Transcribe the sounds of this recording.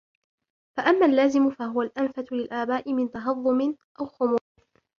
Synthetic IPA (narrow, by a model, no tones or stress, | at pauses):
faʔamːaːlːaːzɪmʊfaɦʊwalʔanfat̪ʊlɪlʔaːbaːʔɪmɪnt̪ɑɦɑðˤːʊmɪnʔawxʊmuː